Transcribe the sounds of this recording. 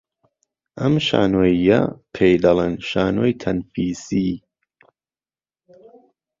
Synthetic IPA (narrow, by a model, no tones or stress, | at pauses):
ʔɐmʃa̰ːnoːjɐ̰pʰejd̪ɐlˠenʃaːnojt̪ʰɐnfiːsi